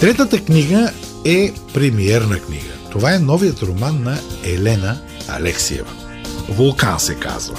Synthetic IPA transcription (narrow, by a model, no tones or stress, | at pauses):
t̪ɾɛt̪ət̪əkniɡə | ɛpɾɛmiɛɾnɐknḭɡə̰t̪ovaɛnɔvijət̪ɾomanːɐɛlɛnə | ɐ̰lɛksḭɛ̰və̰ | volˠkansɛka̰zvə̰